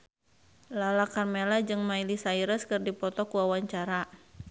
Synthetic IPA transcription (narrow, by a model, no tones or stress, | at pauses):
lalakarmelad͡ʒɨŋmailisaiɾəskɨrdipɔt̪ɔkuawaɲt͡ʃaɾa